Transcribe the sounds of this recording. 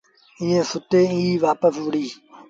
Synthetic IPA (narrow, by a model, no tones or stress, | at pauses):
ĩːẽːsʊt̪eːĩiʋaːpəsʋʊɽiː